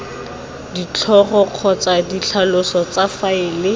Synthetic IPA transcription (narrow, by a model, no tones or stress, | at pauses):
dit͡ɬʰɔχɔq͡χʰɔt͡sadit͡ɬʰalʊsɔt͡safaɪːlɪ